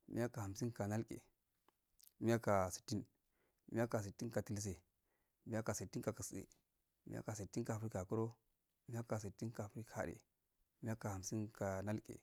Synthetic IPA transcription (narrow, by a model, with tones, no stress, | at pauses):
mḭ˦ja˦ka˨ha˨m˨si˦ka˨na˦lkʼḛ˨ | mi˦ja˦ka˨si̥˨tːi˦n | mḭ˦ja˦ka˨s̬i˨tːi˦nka˨ti˨ls̬e˨ | mi˦a˦ka˨si˨tːi˦ka˨ka˨sɗḛ˨ | mḭ˦a̰˦ka˨si˨tːi˦nka˨fɾi˦ka˨ko˦ɾo˦ | mi˦ja˦ka˨s̬i˨tːi˦nka˨fɾi˦kʰa̰˨ɗḛ˨ | mi˦a˦ka˨ha˨m˨si˦nka˨na˦lkʼḛ˨